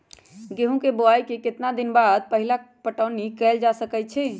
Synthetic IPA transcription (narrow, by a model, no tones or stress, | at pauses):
ɡeɦũkeboajkeket̪nad̪inbad̪̚pəɦila | pəʈəʊnikɛld͡ʒasəkɛt̪t͡ʃʰɛ